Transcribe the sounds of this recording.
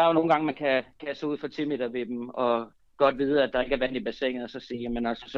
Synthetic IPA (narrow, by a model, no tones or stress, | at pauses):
d̥ɑ̈ɐo̝no̝ːn̩ɡɑ̈ŋəmænkʰækʰæseṵfɒ̽t͡sʰimed̥ɐʋe̝d̥emɒ̽ | ɡ̥ɒ̽d̥ʋiːð̞ˠæd̥ɑ̈e̝ɡ̥æɐʋæn̰ib̥æse̝ɐeŋn̩ɒsɒ̽siːjæmenælsəsɒ